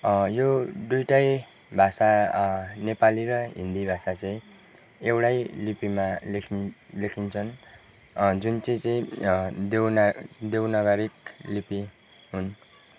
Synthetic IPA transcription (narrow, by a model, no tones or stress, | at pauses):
jod̪ujʈaj | bʱasa | nepaliɾʌɦḭnd̪ibʱasat͡saĩ | ewʈajlipimalekʰi | lekʰint͡sʰʌn | d͡zunt͡sit͡sʌĩd̪ewnd̪ewnaɡaɾiklipi | ɦun